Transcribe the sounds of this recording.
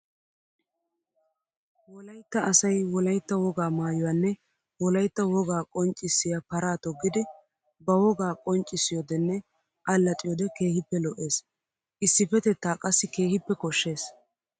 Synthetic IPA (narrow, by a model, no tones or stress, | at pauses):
wɔlɐjt̪ːɐɐsɐjwɔlɐjt̪ːɐwɔɡaːmaːjʊwanːɛ | wɔlɐjt̪ːɐwɔɡaːkʼɔnt͡ʃʼːɪsːɪjapɐɾaːt̪ɔɡːɪd̪ɛ | bɐwɔɡaːkʼɔnt͡ʃʼːɪsːɪjɔd̪ɛnːɛ | ʔɐlːɐt̪ʼɪjɔd̪ɛke̞ːhɪpːɛlɔʔe̞ːs | ʔɪsːɪpɛt̪ɛt̪ːaːkʼɐsːɪke̞ːhɪpːɛkɔʃːe̞ːs